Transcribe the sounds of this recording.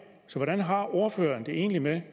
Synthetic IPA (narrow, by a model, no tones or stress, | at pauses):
sɒ̽ʋɒɾænɦɑ̈o̝ɐfø̰ːɐnd̥e̝e̝̰ːnlime